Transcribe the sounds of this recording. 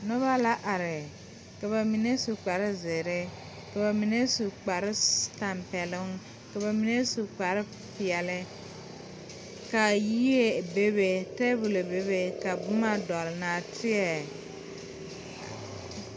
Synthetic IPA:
nɔ˦βa˦la˦ʔa˨ɾɪ˨ | ka˨βa˨mi˨ne˦su˨k͡pa˨ɾɪ˦zɪ˨ɾɪ˦ | ka˨ba˨mi˨ne˦su˨k͡pa˨ɾɪ˦ta˨mpɛ˨lʊ˦ŋ | ka˨βa˨mi˨ne˦su˨k͡pa˨ɾɪ˦ | pɪ˨ɛ˨lɪ˦ | ka˨ji˦je˦˨be˦be˨tɛ˦bu˨lo˨be˦be˦ka˨bʊ˦ma˦dɔ˨lna˨tʰɪ˦ɛ˨

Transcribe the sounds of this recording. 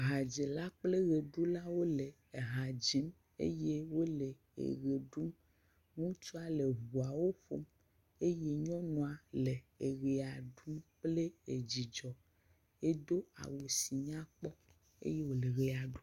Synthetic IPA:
ɦa˨d͡ʒe˨la˦k͡ple˦ɣe˨ɖu˦la˦wo˦le˨ | e˨ɦa˨d͡ʒi˦m | ḛ˦je˦wo˦le˨ | ḛ˨ɣe˨ɖu˦m | ŋũ˦t͡ʃu˦a˦le˨βu˨a˨wo˦ɸo̰˦m | e˦je˦ɲɔ̃˦nũ˨a˨le˨e˨ɣe˨a˨ɖu˦mk͡ple˦e˨d͡ʑi˨d͡ʒɔ˨ | e˦do˦a̰˨wo˨si˨ɲã˦k͡pɔ˦ | ḛ˦je˦wo˨le˨ɣe˨a˨ɖu˦

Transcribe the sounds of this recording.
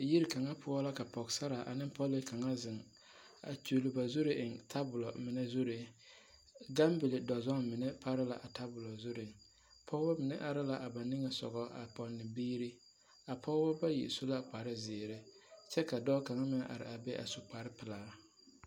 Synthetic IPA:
ji˦ɾi˨ka˨ŋa˦pʰʊ˦ɔ˦la˦ka˨pɔ˨ɡsa˦ɾa˨ʔa̰˨nɪ˦n˦pɔ˦lɪ˦ka˨ŋa˦zɪ˨ŋ | a̰˨t͡ʃu˨lʊ˦ba˨zu˦ɾɪ˦ʔɪ˨ŋtʰa˦bʊ˨lɔ˨mɪ˨nɛ˦zu˦ɾɪ˨ | ɡa˦mbɪ˨lɪ˨dɔ˨zɔ˦ŋmɪ˨nɛ˦pa˦ɾɪ˦la˨ʔa˨ta˦bʊ˨lɔ˨zʊ˦ɾɪ˨ | pʰɔ˦ɔ˦mɪ˨nɛ˦ʔa˨ɾɪ˦la˨ʔa˨ba˨nɪ˦ŋɛ˨sɔ̰˨ɣɔ˦a̰˨pɔ˨nːɪ˨biː˦ɾi˦ | a˨pʰɔ˦bɔ˦ba˦jḭ˨so˦la˦k͡pa˨ɾɪ˦zɪː˨ɾɪ˦t͡ʃɛ˦ka˨dɔː˦ka˨ŋa˦mɪ˨nɛ˦ʔa̰˨ɾɪ̰˨a˨bɛ˦ʔa̰˨su˨k͡pa˨ɾɪ˦pɪ˨laː˨˦

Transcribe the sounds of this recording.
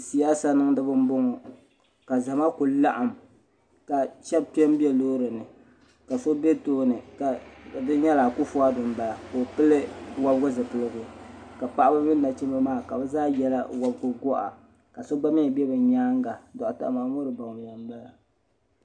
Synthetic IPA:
si˨˦a˦sa˦nɨ˦ŋdɨ˦bɨ˦m˦bo˦ŋɔ˨ | ka˨za˨ma˦kʊ˨la˦ʔa˨m | ka˨ʃɛ˦b̚pi˦ɛ˦m˦bi˦ɛ˦loː˦ɾɨ˨nɨ˨ | ka˨so˦be˦toː˦nɨ˨ka˨dɨ˦ɲɛ˦laː˨kʊ˦fu˦a˦dʊ˨m˦ba˨la˨ko˨pɨ˦lɨ˦wa˦bɡʊ˦zɨ˨pɨ˨lɨ˦ɡʊ˨ka˨pa˦ʔa˦bɨ˦mɨ˦nːa˨t͡ʃi˦ma˦maː˦˨ka˨bɛ˦zaː˦jɛ˦la̰˦wa˦bɡʊ˦ɡɔ˦ʔa̰˨ | ka˨so˦ɡ͡ba˦mɪ˦˨bɛ˦bɨ˨ɲaː˦ŋɡa˨dɔ˨ʔa˨ta̰˦ʔmaː˨mo˦ɾɨ˨ba˨ŋ˨a˨m˦ba˦la˨

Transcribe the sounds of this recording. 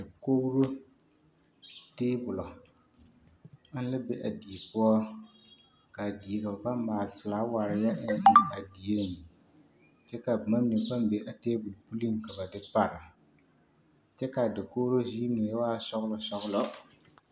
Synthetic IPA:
dɪ˨ko˦ɾo˦ | teː˦bʊ˨lɔ˨˦ | n̩˦lɪ˦be˦ʔa˨di˨e˨pʊ˦ɔ˦ | ka˨di˨e˨ka˨ba˨ba˦m˦maː˨lpɪ˨la˨˦wa˨ɾɪ˨ja˦ʔɪ˦n˦ɪ˦a˨di˨e˦˨ | t͡ʃɛ˦ka˨bma˦m˦ni˨ba˦mbe˨ʔa˨teː˦bʊ˨lpu˦li˦˨ka˨ba˨dɪ˦pa˨ɾɪ˨ | t͡ʃɛ˦ka˨dɪ˨ko˦wɾo˦zi˦nʊ˨jɛ˦waː˦sɔ˦ɣlʊ˨sɔ˦ɣʊ˦lɔ˦

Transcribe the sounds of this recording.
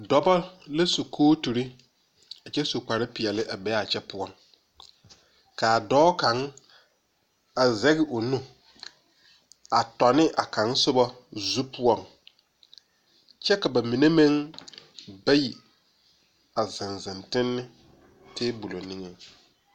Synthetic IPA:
dɔ˨bɔ˦lɛ˦su˨kʰoː˦tu˨ɾi˦ | a˨t͡ʃɛ˦su˨ka˨ɾɪ˦pɪ˨ɛ˨lɪ˦ʔa˨bɛ˨˦a˨t͡ʃʰɛ˦pʰʊ˦ɔ˦˨ŋ | ka˨dɔː˦kã˨˦ŋ | a˨zɛ˦ɡɪ˨ʔo˨nũ˦ | a˨tɔ˨nɪ˦ʔa˨kʰã˨ŋsʊ˦bɔ˦zu˦pʰʊ˦ɔ˦˨ŋ | t͡ʃʰɛ˦ka˨ba˨mĩ˨ne˦mɛ̃˦ŋ | ba˦ji˨ | a˨zɪ̃˨nzɪ̃˨ntɪ̃˦nːɪ˦ | tʰɪ˦bu˨lo˨nɪ̃˦ŋɛ˨

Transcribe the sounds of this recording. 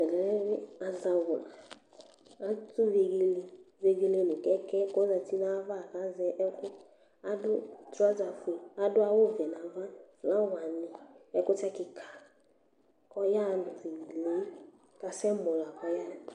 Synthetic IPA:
ɛ˨lɛ˨ɾɛ˦ɾɪ˦a˨za˨wʊ˨la˨ | a˦tu˦ve˨ɡi˦le˦ve˦ɡe˦le˦˨nu˨kɛ˦kɛ˦ko˦za˨˧ti˦na˦va˦˨ka˨˦zɛ˦kʊ˦ | a˦dʊ˦ta˦za˨fe˨a˦dʊ˦a˦wo˦˨vɛ˨n˨a˨va˦˨la˦wa˨nɪ˨ɛ˦kʊ˦tɛ˦kɪ˨kʰḁ˨ | kɔ˦ja˦˨n˨zi˨i˨le˦ | ka˨sɛ˦mɔ˨la˨kɔ˦ja˦˨

